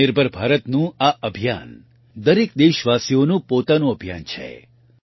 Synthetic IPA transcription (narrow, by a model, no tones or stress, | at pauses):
ɪɾbʱəɾbʱaɾət̪nũaʔəbʱija̰n | d̪əɾek̚d̪eʃʋasionũpot̪anõəbʱja̰nt͡ʃʰḛ